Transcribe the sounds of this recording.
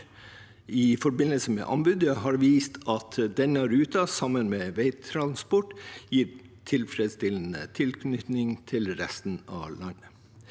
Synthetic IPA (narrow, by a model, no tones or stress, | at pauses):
ɪfɔɾbɪnəlsəmɛ̰ʔɑ̰mbʉd̪əɦɑɾʋiːst̪ʰɑt̪d̪ɛnəɾʉːt̪ɑsɑmənmeːʋeɪt̪ʰɾɑnspɔʈjiːɾ | t̪ʰɪlfɾɛd̪st̪ɪln̩ə̰t̪ʰɪlkʰnʏt̪nɪŋt̪ʰɪlɾɛst̪n̩ɑ̰lɑnə